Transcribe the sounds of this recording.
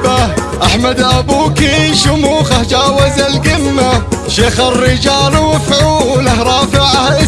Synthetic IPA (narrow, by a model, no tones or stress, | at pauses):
aʔaħmad̪ʔabuːkiʃʊmuːxahd͡ʒaːwazalɡɪmːaʃeːxɪrːɪd͡ʒaːlwɪfʕuːlahɾˤɑːfɪʕahʔɪ